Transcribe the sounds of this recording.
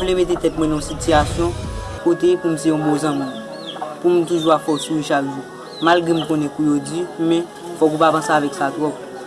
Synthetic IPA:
vlemet̪et̪ɛtmwɛ̃nãsityasjɔ̃kot̪epum̩seɔ̃bozãmĩm | pum̩t̪uʒuafɔsuwiʃakʒu | malɡʁɛm̩kõnɛ̃kujod͡zimɛ̃ | fɔk̬upapɐ̃seavɛksat̪wɔp̚

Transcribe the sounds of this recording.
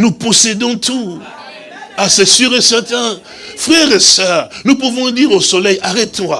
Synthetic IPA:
nuposed̪ɔ̃t̪ʰu | asɛsyʁesɛʁt̪ɛ̃ | fʁɛʁesɛːʁnup̬uvɔ̃d̪iːʁosolɛjaʁɛt̪ʰɔ̃a

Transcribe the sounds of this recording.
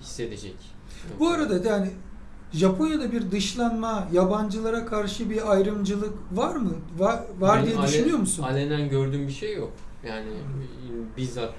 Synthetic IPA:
hi̥sːe̞d̪ed͡ʒɛc | buaɾad̪ad̪jaːni | ʒapʰo̞njad̪abiɾd̪ɯʃlˠanmajaband͡ʒɯlˠaɾakʰaɾʃɯbiajɾɯmd͡ʒɯlˠɯkvaɾmɯvavaɾd̪ijɛyʃynyjo̞musunalʲenænɟøɾd̪yːmbiʃejːok̚jaːnɪ | biza

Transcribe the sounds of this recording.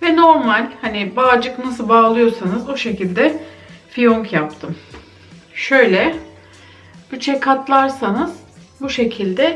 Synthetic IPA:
vɛno̞ɾmalʲhanɪbaːd͡ʒɯknasɯbaːlˠɯjo̞ɾsanɯzo̞ʃe̞cilʲd̪ɛfijoŋkʰjapt̪ʰɯm | ʃø̞jlʲɛ | b̥yt͡ʃʰɛkʰat̪lˠaɾsanɯz̥buʃe̞cʰilʲd̪ɛ

